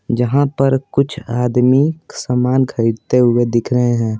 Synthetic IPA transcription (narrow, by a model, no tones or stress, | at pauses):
d͡ʒəɦãpəɾkʊt͡ʃʰaːd̪miksəmaːnɡʰʱəɪɽt̪eɦʊed̪ɪkʰɾəɦeɦɛ̃ː